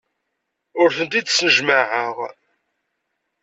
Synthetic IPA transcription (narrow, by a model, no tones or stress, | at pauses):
ʊɾθənt̪id̪snəʒmaʕəʁ